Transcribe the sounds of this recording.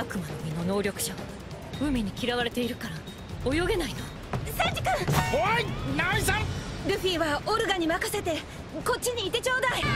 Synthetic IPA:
akɯ̟manomʲino̞no̞ːɾʲo̞kɯ̟̥ɕaɡa | ɯ̟mʲiɲ̟ikʲiɾaβaɾe̞t̪e̞iɾɯ̟kaɾa | ojo̞ɡe̞naino | sãɲd͡ʑikãoinaĩsãɾɯ̟ɸʲiːβaoɾɯ̟ɡaɲ̟imakase̞t̪e̞ | ko̞tt͡ɕːiɲ̟iːt̪e̞t͡ɕoːd̪ai

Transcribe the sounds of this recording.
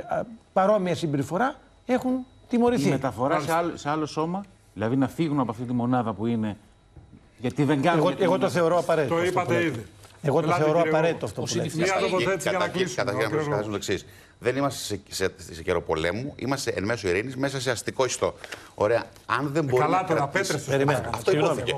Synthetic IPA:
pɐɾo̞miɐsimbeɾifo̞ɾɐ | e̞xun | t̪imo̞ɾiθimet̪ɐfo̞ɾɐseɐlose̞ɐlo̞so̞mɐ | ðilɐðinɐfiɣunɐpoɐft̪it̪imo̞nɐðɐpuine̞ | ʝɐt̪iðeŋɡɐɣoeɣot̪oθeo̞ɾoɐpɐɾet̪ioiɐt̪eiðieɣot̪oθe̞oɾoɐpɐɾe̞t̪it̪oft̪o̞suiniɐooeɐɐɐlisɐt̪ɐçiɣɐnmposkɐθesont̪oeksis | ðenimɐst̪esseseceɾo̞po̞lemuḭmɐst̪eʔenme̞soiɾinizme̞sɐseɐst̪iko̞ist̪o̞o̰ɾe̞ɐ | ɐnðe̞mboɾlɐt̪eɾeseeɾimenɐft̪oioθice

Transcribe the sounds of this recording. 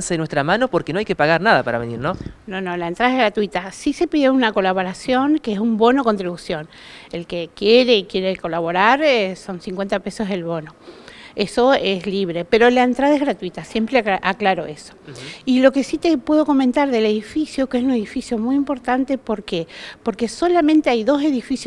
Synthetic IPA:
senwest̪ɾamãnopo̞ɾkenoajkepaɣaɾnaðapaɾaβeniɾnonõ̞nolaent̪ɾaðaeɣɾat̪wit̪asise̞piðjounako̞laβo̞ɾasjo̞ŋkeesumbo̞nokont̪ɾiβusjo̞n | elkekjeɾekje̞ɾeko̞laβ̞o̞ɾaɾso̞nsiŋkwe̞nt̪ape̞so̞zðelβo̞noesoesliβ̞ɾe̞pe̞ɾo̞laent̪ɾaðaeɣɾat̪wit̪asje̞mpɾeaklaɾo̞̰eso̥ilo̞ke̞sit̪epwe̞ðo̞ko̞ment̪aɾðeleðifisjokeesune̞ðifisjo̞mujimpo̞ɾt̪ant̪e̞po̞ɾkepo̞ɾkeso̞lamẽnt̪eajðo̞se̞ðifis

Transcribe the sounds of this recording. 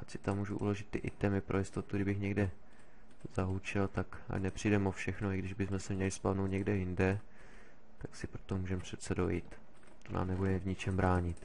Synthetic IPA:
ʔat͡ʃsɪ̥t̪amːuːʒuʔṵlo̞ʒɪt̪ːɪʔɪt̪ɛmɪpɾʔojɪst̪o̞t̪uɡɾɪbɪxɲɛɡdɛ | zaɦut͡ʃɛlt̪ak | a̰nɛpr̝̥ijdɛmofʃɛxnoɪɡdɪʒbɪzmɛsɛmɲɛlɪspadnowt̪ɲɛɡdɛjɪndɛ | t̪aksɪpɾo̞t̪omuːʒɛmpr̝̥ɛt̪sɛdo̞jḭːt̪ | t̪ona̰ːmnɛbudɛvɲɪt͡ʃɛmbɾaːɲɪt̪

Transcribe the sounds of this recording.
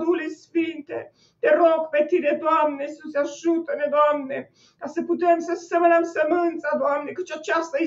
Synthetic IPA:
lulesfint̪ḛ | t̪eɾoɡpet̪id̪ed̪oamnesut̪sʲaʒut̪əd̪ed̪oamne | kasəput̪emsəsəmeləmsəmɨnt̪sad̪oamnekət͡ʃat͡ʃast̪ae

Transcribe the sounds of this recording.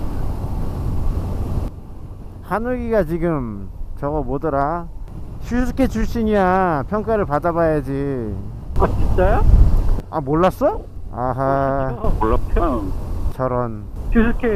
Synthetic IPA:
hanɯɡiɡat͡ɕiɡɯmt͡ɕʌɡʌmodɯɾa | ɕʰusʰukʰet͡ɕuɕʰiɲapʰjʌŋk͈aɾɯɭpadabajad͡ʑi | kʌt͡ɕʰit͡ɕ͈ajo | a̰moɭːas͈ʌ | aɦamoɭːatʰʌt͡ɕʰʌɾʌnɕʰisʰukʰe

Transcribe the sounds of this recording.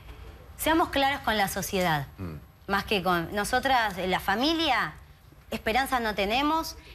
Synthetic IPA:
seamo̞hsklaɾosko̞nlaso̞sje̞ðað | maskekonːo̞so̞t̪ɾasenlafamilja | ehpeɾansano̞t̪e̞ne̞mo̞s

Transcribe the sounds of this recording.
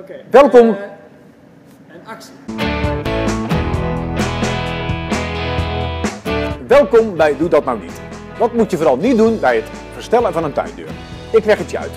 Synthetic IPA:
ʋɛlˠkɔm | ʋɛlˠkɔmbɛjdudɔtnawnḭt | dɑtmutjəvoːɾɑlˠnit̚dunbɛjət | fərstɛlˠəvɑnəntœ̰jdø̰ːr | ɪklɛχətjəœ̰ɥt

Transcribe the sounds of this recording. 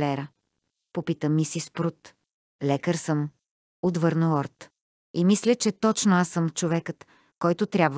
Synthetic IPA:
lɛɾə | popit̪əmːisispɾut̪ | lɛkəɾsəm | ot̪vɤɾnəlɔɾt̪ | imislʲət͡ʃɛt̪ɔt͡ʃnoasəmt͡ʃovɛkət̪ | kɔjt̪ʊt̪ɾʲabv

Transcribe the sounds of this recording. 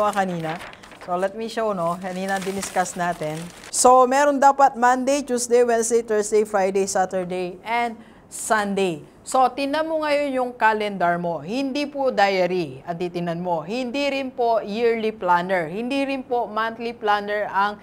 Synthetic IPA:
ɐkɐniːnɐ | solɛt̪̚miʃownokɐniːnɐɐŋd̪ɪnɪskasnaːt̪ɛnso̞mɛːɾo̞nd̪aːpɐt̪̚mand̪ejt͡ʃ̪uːsd̪ejwɛnsd̪ejt̪ɛɹsd̪ejfɹajd̪ejsat̪ɛɹd̪ejʔɛnd̪̚ | sɐnd̪ej | so̞t̪ɪnɐmoŋɐjo̞njʊŋkalɛnd̪ɐɹmo̞hɪnd̪ipʊd̪ajɐɾiʔɐŋ̚d̪it̪ɪnɐnmo̞hɪnd̪iɾɪnpojiɹliplanɛɹhɪnd̪iɾɪnpo̞mant̪liplaːnɛɹʔɐŋ

